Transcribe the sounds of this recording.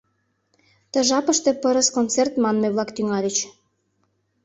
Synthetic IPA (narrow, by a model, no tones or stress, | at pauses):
t̪ə̆ʒɑpəʃt̪ĕpəɾəskont͡sert̪mɑnmejβlɑkt̪yŋɑlʲət͡ɕ